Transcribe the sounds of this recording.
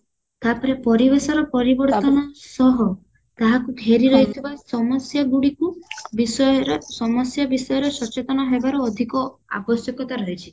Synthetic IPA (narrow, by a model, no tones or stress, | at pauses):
t̪apɔɾepɔɾibesɔɾɔpɔɾibɔɾtt̪ɔnɔsɔɦɔ | t̪aɦakuɡʱeɾiɾɔɦit̪ʰibasɔmɔsjaɡuɽikubisɔjɔɾsɔmɔsjabisɔjɔɾesɔt͡ʃet̪ɔnaɦebaɾuːd̪ʱikɔa̰bɔsjɔkɔt̪aɾɔɦit͡ʃʰi̥